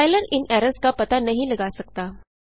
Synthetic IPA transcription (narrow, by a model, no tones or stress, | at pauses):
ajləɾɪnɛɾəskapɐt̪anɐɦĩlɐɡasɐk̚t̪aː